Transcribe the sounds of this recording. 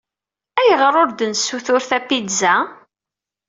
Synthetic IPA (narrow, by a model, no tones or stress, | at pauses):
æjʁəɾˤʊɾd̪ənsːuθʊɾθæpːidzæ